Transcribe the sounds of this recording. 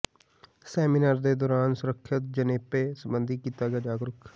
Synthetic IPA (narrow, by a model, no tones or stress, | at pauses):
sɛːminəɾd̪eːd̪ɔːɾaːnsʊɾəkʰːət̪̚d͡ʒəneːpeːsəmbənd̪iːkiːt̪aːɡɛaːd͡ʒaːɡɾʊkʰ